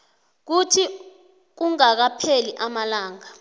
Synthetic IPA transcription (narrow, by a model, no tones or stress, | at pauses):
k̬utʰi | k̬uŋak̬apʰeliʔamalaːŋa